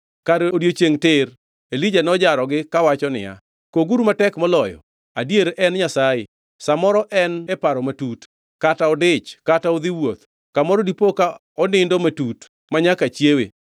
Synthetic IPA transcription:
kaɾodjot͡ʃeŋtɪr | elid͡ʒanɔd͡ʒaɾɔɡɪkawat͡ʃɔnɪ̰ja̰ | koɡuɾumatɛkmɔlɔjɔ̰ | adjeɾɛnɲasajɪ | samɔɾɔʔɛnɛpaɾɔmatut | kataɔdɪt͡ʃkataɔd̪ɪwot̪ | kamɔɾɔdipoka | ɔnɪndɔmatut | maɲakat͡ʃjewḛ

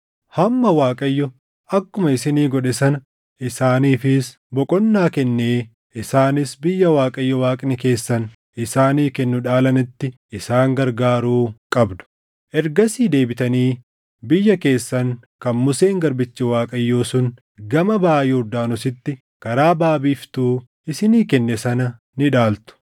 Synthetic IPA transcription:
hɐmːɐwaːkʼɐjːɔ | ɐkːʊmɐɪsɪniːɡɔᶑɛsɐn | ʔɪsaːniːfɪs | bɔkʼɔnːaːkɛnːeː | ʔɪsaːnɪsbɪjːɐwaːkʼɐjːɔwaːkʼɪnɛke̞ːsːɐn | ɪsaːniːkɛnːʊᶑaːlɐnɪt̪ːɪ | ɪsaːŋɡɐɾɡaːɾuːkʼɐbd̪ʊ̥ | ʔɛɾɡɐsiːd̪e̞ːbɪt̪ɐniː | bɪjːɐke̞ːsːɐŋ | kɐnmʊse̞ːŋɡɐɾbɪt͡ʃːɪwaːkʼɐjːoːsʊn | ɡɐmɐbaːjɛʊɾd̪aːnʊsɪt̪ːɪ | kɐɾaːbaːbiːft̪uː | ɪsɪniːkɛnːɛsɐnɐ | nɪᶑaːlt̪ʊ̥

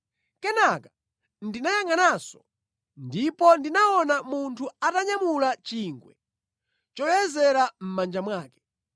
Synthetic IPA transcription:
kɛnakḁ | ndinajaŋanaːsɔ̥ | ndipɔndinaɔnamuntʰuataɲamulat͡ʃiŋɡwɛ | t͡ʃɔjɛzɛɾam̩mand͡ʒamwaːkɛ̥

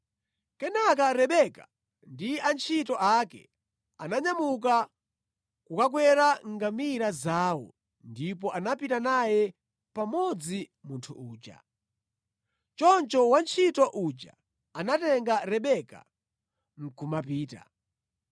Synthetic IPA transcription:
kɛnak̬aɾɛɓɛka | ndiant͡ʃʰitɔʔakɛ̰ | anaɲamuk̬a | kukak̬wɛɾaŋɡamiɾazaːwɔ̰ | ndipɔʔanapitanajɛ | pamɔd͡zi | muntʰṵʔuːt͡ʃa̰ | t͡ʃɔnt͡ʃɔwant͡ʃʰitɔʔut͡ʃa̰ | anatɛŋɡaɾɛɓɛka̰ | m̩kʰumapiːta̰

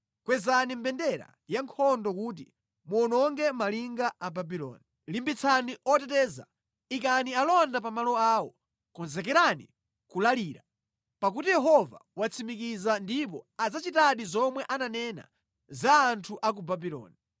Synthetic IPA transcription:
kwɛzanimbɛndɛɾa̰ | jaŋkʰɔndɔkuːt̬ḭ | muɔnɔŋɡɛmaliŋɡaʔababilɔ̰ːni | limbit͡sʰaniʔɔtɛtɛːza̰ | ikanialɔndap̬amalɔaːwɔ | kɔnzɛkɛɾanḭ | kulaliːɾa | pakutijɛɦɔva̰wat͡sʰimikizandip̬ɔad͡zat͡ʃitaɗizɔmwɛʔananɛna̰ | zaːntʰuʔak̬ubabilɔ̰ːni

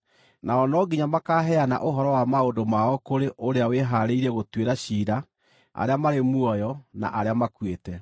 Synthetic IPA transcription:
naɔnɔɡiɲamakaɦɛana̰ʔoɦɔɾɔwamaodomaɔkoɾeʔoɾeaweɦaɾeiɾɛɣotweɾaɕiːɾa | a̰ɾeamaɾemwɔjɔna̰ʔaɾeamakwetɛ

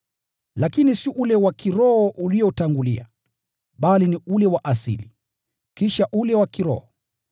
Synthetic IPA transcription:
lakinisiʔulɛwakiɾɔɔʔuliɔtaŋɡulḭa̰ | ɓaliniulɛwaʔasḭli | kiʃaʔulɛwakiɾɔ̰hɔ

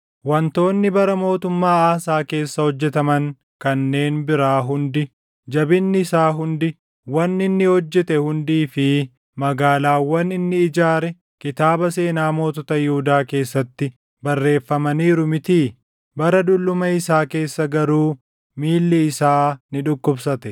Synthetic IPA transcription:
wɐnt̪o̞ːnːɪbɐɾɐmo̞ːt̪ʊmːaːaːsaːke̞ːsːɐhɔd͡ʒːɛt̪ɐmɐŋ | kɐnːe̞ːnbɪɾaːɦʊnd̪ɪ | d͡ʒɐbɪnːɪɪsaːɦʊnd̪ɪ | wɐnːɪnːɪhɔd͡ʒːɛt̪ɛhʊnd̪iːfɪ | mɐɡaːlaːwɐnɪnːɪːd͡ʒaːɾɛ | kɪt̪aːbɐse̞ːnaːmo̞ːt̪ɔt̪ɐjɪhʊd̪aːke̞ːsːɐt̪ːɪ | bɐrːe̞ːfːɐmɐniːɾʊmɪt̪iː | bɐɾɐd̪ʊlːʊmɐɪsaːke̞ːsːɐɡɐɾuː | miːlːɪɪsaːnɪᶑʊkːʊbsɐt̪ɛ

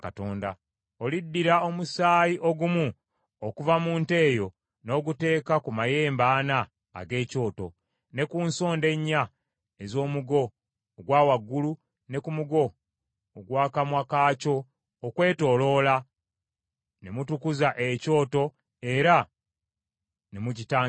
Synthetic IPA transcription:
kato̞ːnda̰ | olidːiɾao̞musaːjiʔo̞ɡumu | okuvamuːnte̞ːjo̞ | no̞ːɡute̞ːkakumaje̞ːmbaːna̰ː | ɡe̞ːco̞ːto̞̰ | ne̞kuːnso̞ːnde̞ɲːa | ezo̞ːmuɡo̞ː | ɡwaːwaɡːulu | ne̞kumuɡo̞ː | ɡwaːkamwakaːco̞ː | kwe̞ːto̞ːlo̞ːla | ne̞mutukuzaʔeco̞ːto̞ | e̞ɾa | nemucitaː

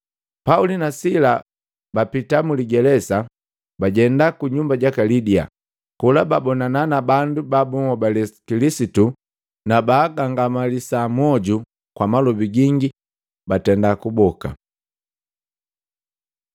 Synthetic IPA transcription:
paulinasila | bapitamuliɡɛlɛsa | baɟɛndakuɲumbaɟakalidia̰ | kulababɔnananabandubabumɔbalɛkilisitu | nabaːɡaŋɡamalisamɔɟu | kwamalɔbiɡiŋɡi | batɛndakubɔka̰

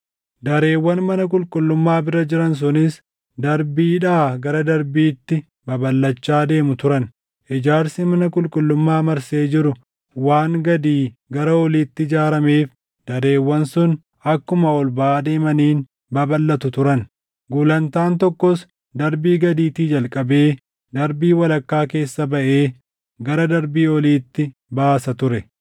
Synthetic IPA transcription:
d̪ɐɾe̞ːwːɐnmɐnɐk̬ʼʊlkʼʊlːʊmːaːbɪɾɐd͡ʒɪɾɐns̬ʊnɪs | d̪ɐɾbiːᶑaːɡɐɾɐd̪ɐɾbiːt̪ːɪ | bɐbɐlːɐt͡ʃːaːd̪e̞ːmʊt̪ʊɾɐn | ʔɪd͡ʒaːɾsɪmɐnɐkʼʊlkʼʊlːʊmːaːmɐɾse̞ːd͡ʒɪɾʊ | waːŋɡɐd̪iːɡɐɾɐɔliːt̪ːɪɪd͡ʒaːɾɐmeːf | d̪̥ɐɾe̞ːwːɐnsʊn | ɐkːʊmɐɔlbaaːd̪e̞ːmɐniːn | bɐbɐlːɐt̪ʊt̪ʊɾɐn | ɡuːlɐnt̪aːnt̪ɔkːɔs | d̪ɐɾbiːɡɐd̪iːt̪iːd͡ʒɐlkʼɐbe̞ː | d̪ɐɾbiːwɐlɐkːaːke̞ːsːɐbɐʔe̞ː | ɡɐɾɐd̪ɐɾbiːɔliːt̪ːɪbaːsɐt̪ʊɾɛ

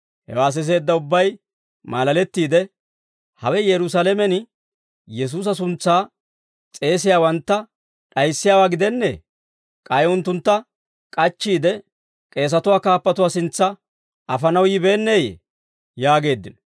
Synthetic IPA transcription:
hɛ̰waːs̬ɪs̬e̞ːd̪ːɐʊbːɐj | maːlɐlɛt̪ːiːd̪ɛ | hɐwɛjɛɾʊsaːlɛmɛn | jɛs̬uːs̬ɐs̬ʊnt͡sːaː | t͡sʼe̞ːsɪjaːwɐnt̪ːɐ | ɗɐjsːɪjaːwaːɡɪd̪ɛnːɛ̰ | kʼɐjʊnt̪ːʊnt̪ːɐ | kʼɐt͡ʃːiːd̪ɛ | kʼe̞ːs̬ɐt̪ʊwaːkaːpːɐt̪ʊwaːsɪnt͡sːɐ | ɐfɐnɐwjɪbe̞ːnːeːjɛ̰ | jaːɡe̞ːd̪ːɪn

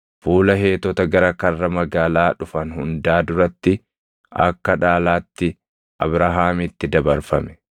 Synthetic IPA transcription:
fuːlɐɦe̞ːt̪ːɔt̪ɐɡɐɾɐkɐrːɐmɐɡaːlaːᶑʊfɐnhʊnd̪aːd̪ʊɾɐt̪ːɪ | ɐ̰kːɐᶑaːlaːt̪ːɪ | ʔɐ̰bɾɐɦaːmɪt̪ːɪd̪ɐbɐɾfɐmɛ̥

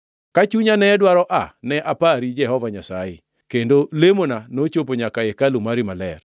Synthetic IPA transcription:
kat͡ʃuɲanɛdwaɾɔʔa̰nɛʔapaɾid͡ʒɛhɔvaɲasaɪ̰ | kendolemonanot͡ʃopoɲakaekalumaɾimalɛr

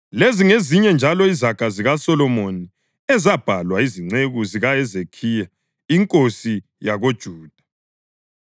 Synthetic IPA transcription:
leziŋeziɲɛnd͡ʒʱalɔizaɡ̥ʱaziɣasɔlɔmoni | ɛzab̥ʱalwaiziŋ͡ǀeɣuziɣaɛzekʰija | iŋkʼosi | jaɣod̥ʒ̥ʱuːd̥ʱḁ

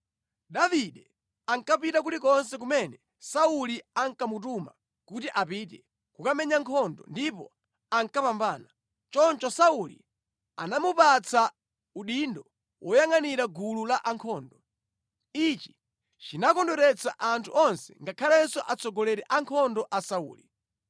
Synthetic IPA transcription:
ɗaviɗɛ | aŋkapitak̬utik̬ɔnsɛk̬umɛnɛ | sauliaŋkamut̬uma̰ | kutiʔapitɛ | kukamɛɲaŋkʰɔndɔ̰ndipɔ | aŋkapambaːna | t͡ʃɔnt͡ʃɔsaulḭ | a̰namupat͡sʰa | uɗindɔ | wɔjaŋaniɾaɡululaʔaŋkʰɔːndɔ | it͡ʃi̥ | t͡ʃinakɔndɔɾɛt͡sʰaʔantʰṵʔɔnsɛ̰ŋɡakʰalɛnsɔʔat͡sʰɔɡɔlɛɾɛʔaŋkʰɔndɔʔasaṵːli

